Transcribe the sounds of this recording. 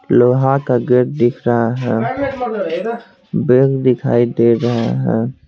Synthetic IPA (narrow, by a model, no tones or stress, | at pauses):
loːɦakaɡəɾd̪ɪkʰɾəɦaɦɛ̃ː | beɡd̪ɪkʰa̰ːid̪eɾəɦaɦɛ̰̃